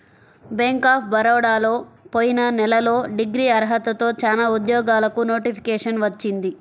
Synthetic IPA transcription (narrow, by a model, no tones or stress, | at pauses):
beŋkaːp̚ʰbɐɾɐːɽaːloːpoːjinɐnɛlɐlo̞ːɖiɡɾiːɐɾɦɐt̪ɐt̪o̞ːt͡ʃaːnaːud̪jɔːɡaːlɐkuno̞ːʈipʰi̥kɛːʂɐnʋɐt͡ʃːind̪i